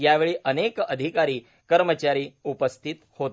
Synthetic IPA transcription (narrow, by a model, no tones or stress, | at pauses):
jaʋeɭiːʔənekəd̪ʱikaɾiː | kəɾmət͡ɕaɾiːupəst̪ʰit̪hot̪